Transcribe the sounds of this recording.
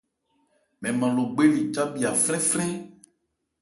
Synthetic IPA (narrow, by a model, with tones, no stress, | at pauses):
mɛ̃˨mã˨lo˨ɡ͡be˦li˨t͡ʃa˦bi˨a˨flɛ̃˦flɛ̃˦